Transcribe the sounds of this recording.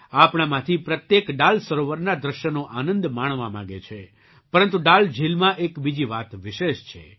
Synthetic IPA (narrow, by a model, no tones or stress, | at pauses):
apɽ̃amãt̪ʰipɾət̪jekɖalsəɾoʋəɾnad̪ɾəʃjənoʔanənd̪maɳ̃ʋamãɡet͡ʃʰe | pəɾənt̪uɖald͡ʒʱilmãʔekbid͡ʒiʋat̪ʋɪʃeʃt͡ʃʰḛ